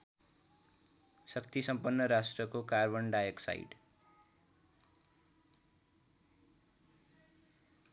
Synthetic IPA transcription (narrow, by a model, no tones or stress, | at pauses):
sʌkt̪isʌmpʌnːʌɾasʈrʌkokarbʌnɖajeksa̰jɖ